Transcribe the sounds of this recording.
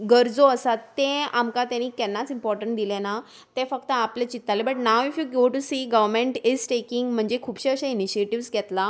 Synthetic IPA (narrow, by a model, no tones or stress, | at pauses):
ɡəɾd͡zoəsat̪ːeamkat̪jãniːkɛnːat͡simpɔɾʈəɳʈ̚d̪ilena | t̪efəkt̪əaplet͡ɕit̪ːalebəʈnawifjuɡoʈusiːɡəʋəmẽɳʈizʈekiŋɡm̤əɳd͡zekʰuːbɕeəɕainiɕieʈiʋsɡʱɛt̪la